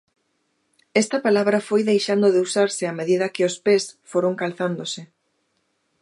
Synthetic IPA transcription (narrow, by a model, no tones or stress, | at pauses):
ɛst̪ɐpalaβɾɐfojðejʃand̪oðeusaɾsɪameðiðɐkɪospesfoɾoŋkalθand̪osɪ